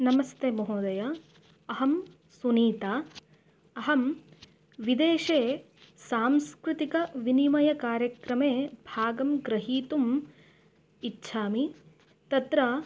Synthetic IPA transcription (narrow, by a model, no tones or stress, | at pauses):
nɐmɐst̪eːmɐɦoːd̪ɐjɐ | ɐɦɐm | suniːt̪aː | ɐɦɐm | ʋid̪eːʃeː | saːmskɾut̪ikɐʋinimɐjɐkaːɾjɐkɾɐmeːbʱaːɡɐmɡɾɐɦiːt̪um | itːʃʰaːmi | t̪ɐt̪ɾɐ